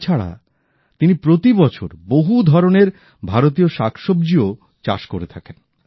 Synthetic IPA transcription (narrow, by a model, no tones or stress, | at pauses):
t͡ɕʰaɽa̰ | t̪inipɾot̪ibɔt͡ɕʰo̰ɾboɦud̪ʱɔɾoneɾ | bʱaɾot̪̬ioʃakʃob̚d͡ʑio | t͡ɕa̰ʃkoɾet̪ʰaken